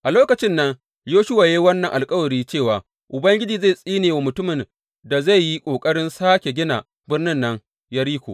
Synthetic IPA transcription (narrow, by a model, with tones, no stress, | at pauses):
ʔa˨loː˦kɐ˨t͡ʃɪ˦nːɐ˦ŋ | joː˦ʃʊ˦wa˨ja˦wɐ˦nːɐ˨ŋʔa˨lkʼɐ˦wɐ˨ɽiː˦t͡ʃeː˦˨waː˨ | ʔʊ˨bɐ˦ŋɡʲɪ˦d͡ʒiː˨za˦˨sʼiː˦neː˨wa˨mʊ˨tʊ˦mɪ˨n | da˨za˦˨jji˦kʷʼoː˨kʼɐ˦ɽɪ˦nsaː˦kʲe˨ɡʲɪ˦na̰˨ | bɪ˦rnɪ˦nːɐ˦ŋ | jaː˦ɾiː˦kʷo̰ː˨